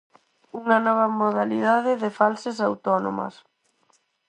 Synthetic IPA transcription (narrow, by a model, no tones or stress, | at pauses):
uŋɐnɔβ̞ɐmoðaliðaðɪðɪfalsesawt̪ɔno̰mɐ̰s